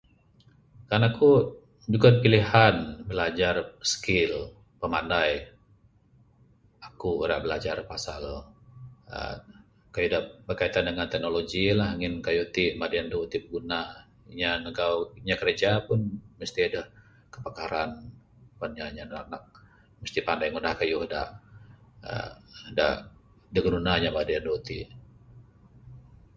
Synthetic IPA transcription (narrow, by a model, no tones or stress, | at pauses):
kaɾnaku | d͡ʒuɡadpilihanbəlad͡ʒarsə̥kɪl | pəmandaj | akuɾa̰ʔbəlad͡ʒarpasal | ə̰ | kajudabərkait̪andəŋant̪ɛk̚noloɡilaɦaŋɪnkajut̪iʔmadiandut̪ip̚əɡuna | iɲanəɡauɲakəɾed͡ʒapʊnməst̪iadah | kəpakaɾan | panɲaɲaak̚nak̚ | məst̪ipandajŋudahkajuhda̰ʔ | ə̰da̰ʔ | daɡnunaɲamadiandout̪i